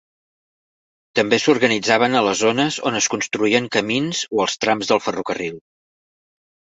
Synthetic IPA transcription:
t̪əmbesuɾɣənid͡zaβənələzonəzo̰nəskunst̪ɾuiəŋkəminzoəlˠst̪ɾamzðəlˠfərukərilˠ

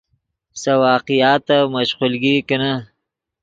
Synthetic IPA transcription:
sɐwɑːqijɑːt̪ːamɐʃqulɡikɐna

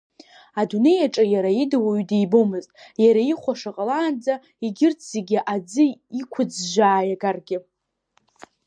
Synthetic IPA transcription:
adune̞jaʈ͡ʂʼajaɾaidawaɥdejbomɨztʼjaɾaiχʷaʂaqʼalaːnd͡za | iɡʲɪrt͡sʰz̥eɡʲɪʔad͡zɨikʷʰʊd͡zʒʷaːjaɡarɡʲɪ

